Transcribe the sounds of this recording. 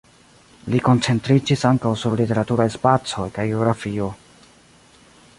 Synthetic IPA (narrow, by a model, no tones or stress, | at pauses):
liko̞nt͡se̞ntɾid͡ʒisaŋkawsuɾlite̞ɾatuɾajspat͡so̞jkajɡeoɡɾafio̞